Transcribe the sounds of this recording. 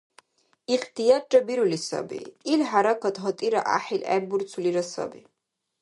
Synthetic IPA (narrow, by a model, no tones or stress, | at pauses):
iqt̪ʰʼijat͡ʃʼabiɾulisa̰bḭilħaɾakʰat̪ʰɦɔt̪ʼiɾa̰ʔa̰ħilɛ̰buɾt͡sʰuliɾasa̰bi